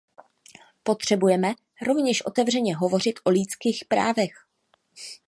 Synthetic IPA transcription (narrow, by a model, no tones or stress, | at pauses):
po̞t̪r̝̥ɛbujɛmɛ | ɾo̞vɲɛʃʔo̞t̪ɛvr̝ɛɲɛɦo̞vo̞r̝ɪt̪ʔo̞liːt͡skiːxpɾa̰ːvɛx